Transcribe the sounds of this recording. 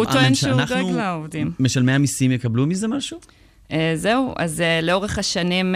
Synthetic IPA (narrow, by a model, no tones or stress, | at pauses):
otonʃunaeuɡlaovdimmeʃalmeamisimjekablumizemaʃu | ʔezeuʔa̰zeleo̞ʁeχaʃanim